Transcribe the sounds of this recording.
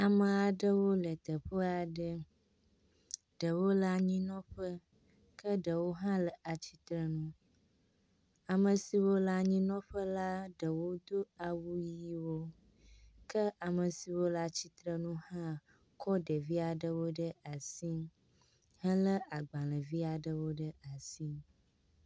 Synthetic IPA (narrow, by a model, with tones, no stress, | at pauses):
a˨mə̃˨a˨ɖə˦wo˦lə˨t̪ə˨ɸə˦a˨ɖə˦ | ɖ̥ə˨wo˦la˦˨ɲĩ˦nɔ̃˦ɸə˦ | kə˦ɖə˨wo˦ɦã˦lə˨ʔa˨t͡ɕi˦t̪ɾə˦nũ˦ | a˨mə̃˨si˨wo˦la˨ɲĩ˦nɔ̃˦ɸə˦la˦ɖə˨wo˦d̪o˦a˨wu˦ji˦wo˦ | kə˦ʔa˨mə˨si˨wo˦la˦t͡ɕi˦t̪ɾə˦nũ˦hã˦ | kʰɔ˦ɖə˨vi˦a˨ɖə˦wo˦ɖə˦ʔa˨si˦ | hə˦lə˦ʔa˨ɡ͡ba˨lə̃˨vi˦a˨ɖə˦wo˦ɖə˦a˨si˦